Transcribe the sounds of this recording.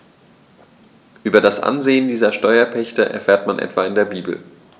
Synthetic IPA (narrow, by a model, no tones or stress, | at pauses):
ʔyːbɐdasʔa̰nzeːəndiːzɐʃtɔʏɐpʰɛçtəʔɛ̰ɐfɛːɐtmanʔɛ̰tv̥aːɪndeːɐbiːbl̩